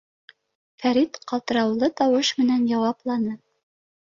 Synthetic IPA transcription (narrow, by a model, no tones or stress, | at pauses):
fæɾit̪qɑlˠt̪ɤ̆ɾɑwlˠɤt̪ɑwɤʃmɘ̆nænjɑwɑplˠɑnɤ